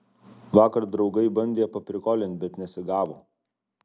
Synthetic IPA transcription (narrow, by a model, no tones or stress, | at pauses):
ʋɑːkɐɾd̪ɾɒʊɡɐɪbɐnʲd̪ʲeːɛpɐpʲɾʲɪkoːlʲɪnʲt̪̚ʲbʲɛt̪nʲɛsʲɪɡɑːʋo̰ː